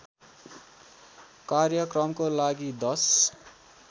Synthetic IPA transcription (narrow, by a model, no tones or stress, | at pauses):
karjʌkrʌmkolaɡid̪ʌs